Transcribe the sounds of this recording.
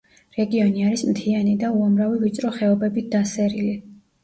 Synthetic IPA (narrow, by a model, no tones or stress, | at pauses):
ɾɛɡiɔniaɾismt̪ʰianid̪auamɾavivit̪t͡ʃ̪ʼɾɔχɛɔbɛbit̪̚ʰd̪asɛɾili